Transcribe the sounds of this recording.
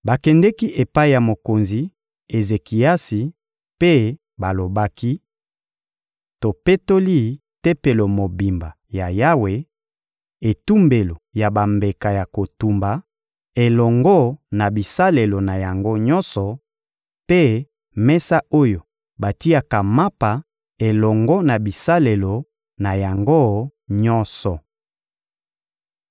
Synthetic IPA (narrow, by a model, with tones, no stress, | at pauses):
ba˨kɛ˨ndɛ˦ki˦ʔe˨pa˦i˨ja˨mo˨ko˨nzi˨ | e˨ze˨ki˨a˦si˨ | pe˦ | ba˨lo˨ba˦ki˦ | to˨pe˦to˦li˦ | te˦pe˨lo˨mo˨bi˨mba˨ | ja˨ja˦we˨ | e˨tu˦mbe˨lo˨ja˨ba˨mbe˨ka˨ja˨ko˨tu˨mba˨ | e˨lɔ˨ŋɡɔ˦na˨bi˨sa˦le˨lo˨na˨ja˨ŋɡo˦ɲɔ̃˦nsɔ˨ | pe˦ | mɛ˦sa˦ʔo˦jo˨ | ba˨ti˦a˨ka˨ma˦pa˨ | e˨lɔ˨ŋɡɔ˦na˨bi˨sa˦le˨lo˨ | na˨ja˨ŋɡo˦ɲɔ˦nsɔ˨